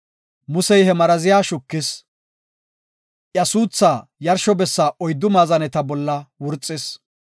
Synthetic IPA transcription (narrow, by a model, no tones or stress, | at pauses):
mʊsɛjhɛmɐɾɐzɪjaːʃʊkːɪs | ʔjɐsuːt͡sːaːjɐɾʃɔbɛsːaːʔɔjd̪ːʊmaːzɐnɛt̪ɐbɔlːɐwʊɾt͡sʼːɪs